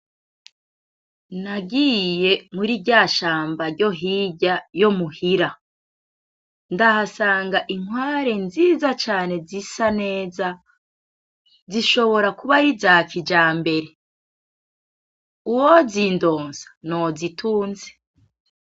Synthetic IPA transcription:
naɡije̞muɾibɟaʃaːmbaɾɟo̞ɦiɟajo̞muhiɾa | ndahasaːŋɡaʔiŋwaːɾe̞nziːzat͡ʃaːne̞zisane̞ːza | ziʃo̞βo̞ɾakuβaɾizaːkid͡ʒaːmbe̞ɾe̞ | uwozindo̞ːnzḁno̞zitʰuːnze

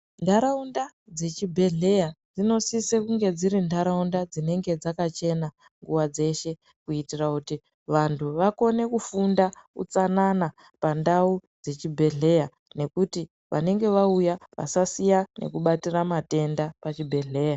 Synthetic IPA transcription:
ndaɾaunda | d͡ze̞t͡ʃibʱe̞ɮe̞jad͡zino̞sisekuŋɡe̞d͡ziɾindʱaɾaundad͡zine̞ŋɡe̞d͡zakat͡ʃe̞na | ŋɡuwad͡ze̞ʃe̞ | kuitirakuti | ʋantʰuʋako̞ne̞kufundakṵt͡sanana | pandaud͡ze̞t͡ʃibʱe̞ɮe̞ja | ne̞kuti | ʋʔa̰ne̞ŋɡe̞ʋaujaʋa̰sasijane̞̰kuɓatiramate̞ndapat͡ʃibʱe̞ɮe̞ːja

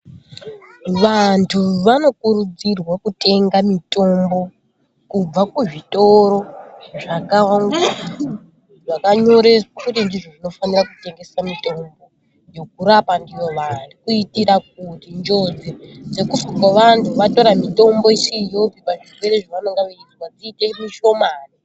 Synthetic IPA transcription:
ʋantʰuʋano̞kuɾud͡zirwakute̞ŋɡamito̞mbo̞ | kub͡vakuʐitʼo̞ɾo̞ʐakaaŋɡa | ʐakaɲo̞ɾekutindiʐoʐino̞fanirakute̞ŋɡe̞samito̞mbo̞ | jo̞k̚uɾapandijo̞ʋanukuitiɾak̚utind͡ʒo̞d͡zed͡ze̞kufakwaʋantʰuʋato̞ɾamito̞mbo̞isijopipaʐirwe̞ɾeʐaʋanoŋɡaʋaid͡zwad͡ziːtemiʃo̞maːri

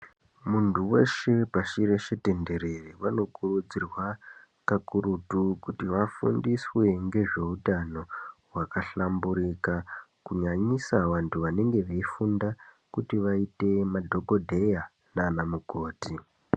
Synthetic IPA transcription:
muntʰuwe̞ʃe̞paʃiɾe̞ʃete̞nde̞ɾe̞riʋano̞kurud͡zirwa | kakuɾutukutiʋafṵndiswe̞ŋɡe̞ʐe̞utano̞ɦwakaɬambuɾikakuɲaɲisaʋantʰuʋane̞ŋɡe̞ʋeifunda | kutiʋaite̞madʱo̞ɡo̞dʱe̞ja | naːnamuko̞ːti

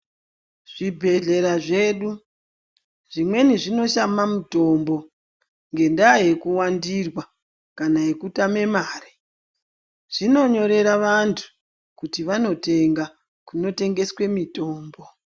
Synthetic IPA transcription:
ʐ̥ibʱe̞ɮe̞ɾaʐeːɗu | ʐimwe̞niʐino̞ʃamamuto̞ːmbo̞ | ŋɡe̞ndaje̞kuwandirwa | kanajekutame̞maːri | ʐ̥ino̞ɲo̞ɾe̞ɾaʋantʰu̥ | kutiʋano̞te̞ŋɡa | kuno̞te̞ŋɡe̞swe̞mito̞ːmbo̞

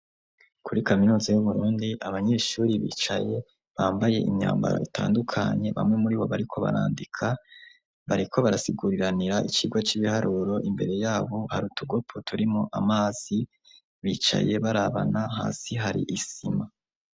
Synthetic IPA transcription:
kuɾikaminuːzajuβuɾuːndiʔaβaɲe̞ːʃuːɾiβḭːt͡ʃaje̞ | βaːmbaje̞̰ʔimɲa̰ːmba̰ɾa̰itʰa̰ːndukʰaɲe̞βa̰mŋe̞muɾiβo̞βaɾikʰo̞βa̰ɾaːndikʰa | βaɾikʰo̞βaɾasiɡuɾiɾaniɾaʔit͡ʃiɡwat͡ʃiβihaɾʔuɾo̞ʔimbe̞ɾe̞jaːβo̞haɾuːtuɡo̞pʰotʰuɾimoʔamaːz̥i | βit͡ʃa̰je̞βaɾaβa̰naɦa̰ːsiɦaɾḭʔisima

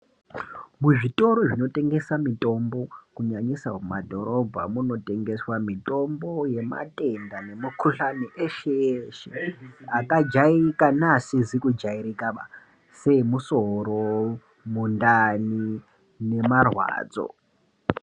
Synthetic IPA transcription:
muʐitʼo̞ɾoʐino̞tʼe̞ŋɡe̞samitʼo̞mbo̞kuɲaɲisaumadʱo̞ɾo̞bʱamuno̞tʼe̞ŋɡe̞swamitʼo̞mbo̞je̞ma̰tʼe̞ndane̞mukʰuɬaniʔeʃeʃeakad͡ʒaikanasid͡zikud͡ʒaiɾikaa | se̞musoɾo | mundani | ne̞marwa̰ːd͡zo̞̰

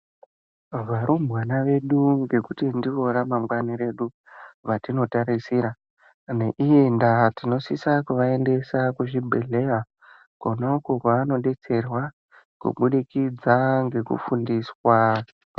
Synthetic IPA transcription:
ʋaɾumbwanaʋe̞ɗuŋɡe̞kutindiʋo̞ɾamamɡwaniɾe̞ɗu | ʋatino̞taɾisiːɾa | ne̞ʔijendatino̞sisakuʋae̞nde̞sakuʐibʱe̞ɮe̞ja | konakokaːno̞ɗe̞t͡se̞rwa | kṵɓuɗikid͡zaŋɡe̞kṵfundiswa

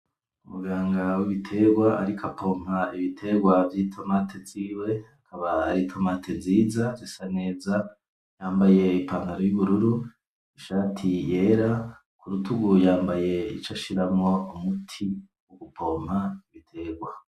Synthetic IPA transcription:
umuɡaːŋɡawiβitʰe̞ɡwaa̰ɾikʰapʰo̞m̥aiβitʰe̞ɡwavjiːtʰo̞matʰeviːwe̞akʰaβaa̰ɾitʰomatʰenziːzad͡ʒisane̞ːza | jaːmbaje̞ipaːndaɾojuβuɾuɾu | iʃaːtʰije̞ːɾa | kuɾutʰuɡujaːmbaje̞ḭt͡ʃaʃiɾamŋo̞umutʰi | woɡ̥upʰo̞m̥aiβitʰe̞ːɡwa

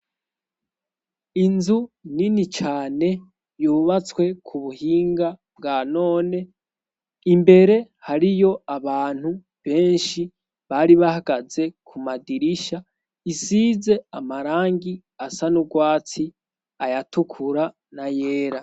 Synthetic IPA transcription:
inzuninit͡ʃaːne̞ | juːβat͡swe̞kʰuβuhiːŋɡabɡaːno̞ːne̞ | imbe̞ɾe̞ | haɾijo̞aβaːn̥hu | βe̞ːnʃi | βaɾiβahaɡ̥aze̞kʰumadiɾiʃa | isize̞amaɾaːŋɡi | asanuɡwaːt͡si | ajatukʰuɾa | naje̞ːɾa

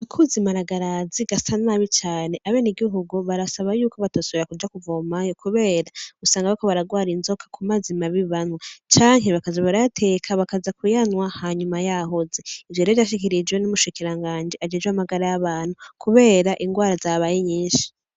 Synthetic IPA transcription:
ikʰuzimaɾaɡaɾaziɡasanaβit͡ʃaːne̞ʔaβe̞ːniɡiɦuɡuβaɾasaβajuːkoβatasoβiɾakud͡ʒakuvo̞majo̞kuβe̞ːɾausaːŋɡaβakoβaɾaɡwaːɾinzo̞kʰḁkʰumazimaβiβanwat͡ʃaːŋɦeβakazaβaɾajatʰe̞ːkʰaβakazakujanwahaɲumajaɦozeivjoɾevjaʃ̬ikiɾid͡ʒwenumuʃikiɾaŋɡaːnd͡ʒiad͡ʒed͡ʒweamaɡaɾajaβaːn̥hukuβe̞ːɾaʔiŋɡwaːɾazaβajiɲiːnʃi̥

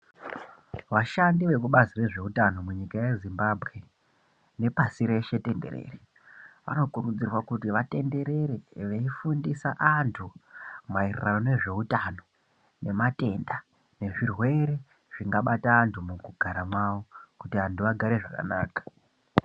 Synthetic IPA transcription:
ʋaʃandiʋe̞kuɓazire̞ʐe̞utano̞muɲikaje̞zimbabʱɣe̞ | ne̞pasiɾe̞ʃe̞te̞nde̞̰rḛːre | ʋa̰no̞kurud͡zirwakutiʋate̞nde̞ɾe̞ɾeʋeifundisaʔantʰumairrano̞ne̞ʐe̞utano̞ | ne̞mate̞nda | ne̞ʐirwe̞ɾe̞ | ʐ̥iŋɡaɓataːntʰumukuɡʱaɾamwaːʋo̞kutiantuʋaɡʱaɾe̞ʐaka̰naːkḁ

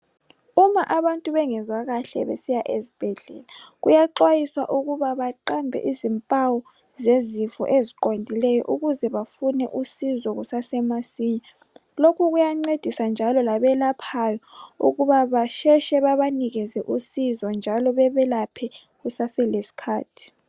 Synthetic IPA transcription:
umaʔaβantʼuβɛŋɛzwaɣaɬɛ̰βḛsijaʔezib̥ʱɛɮɛ̰ːlaɣujaǃwajiswaʔuɣuβaβaǃambʱɛ̰ʔizimpʼawɔ | zezifɔ̰ʔeziǃondʱilɛjɔ̰ʔuɣuzɛβafunɛʔusizɔɣusasɛmasiːɲa | lokʰuɣujaŋ͡ǀed̥ʱisand͡ʒʱalɔlaβɛlapʰajɔṵɣuβaβaʃɛʃɛβaβaniɣɛzɛʔusizɔnd͡ʒʱalɔβɛβɛlapʰɛ | ɣusasɛlesi̥kʰaːtʰi̥

